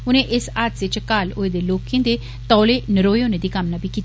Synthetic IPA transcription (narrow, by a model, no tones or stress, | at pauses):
ʊnẽːʔɪsaːt̪sɪt͡ʃkaːlʊeːd̪eːloːkẽːd̪eː | t̪ɔːleːnəɾoːjʊned̪iːkəmnabʱiːkiːt̪ː